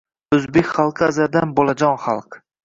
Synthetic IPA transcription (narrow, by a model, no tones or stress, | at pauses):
ɵzbekʲχɑlˠqʰɨazad̪anbolˠad͡ʒɒnχɑlˠq